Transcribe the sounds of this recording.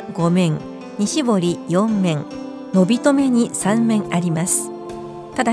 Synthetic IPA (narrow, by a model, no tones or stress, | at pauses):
ɡo̞mẽ̞ŋ | ɲiɕibo̞ɾʲijõ̞mːẽ̞ŋ | no̞bʲit̪o̞me̞ɲ̟isãmːẽ̞ɰaɾʲimasɨ̥ | t̪ad̪a